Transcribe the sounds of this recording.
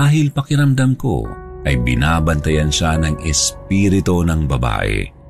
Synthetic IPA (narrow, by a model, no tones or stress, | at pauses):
aːɦɪlpɐkɪɾɐmd̪ɐmko̞̰ʔɐjbɪnaːbɐnt̪ɐjɐnʃanɐŋʔɛspiːɾɪt̪o̞nɐŋbɐba̰ːʔɛ̰